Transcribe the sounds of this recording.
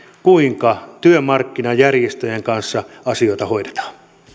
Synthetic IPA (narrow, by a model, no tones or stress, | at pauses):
kuiŋkɑt̪yømɑrkːinɑjærjest̪øjeŋkɑnsːɑɑsio̞it̪ɑho̞idet̪ɑ̥ːn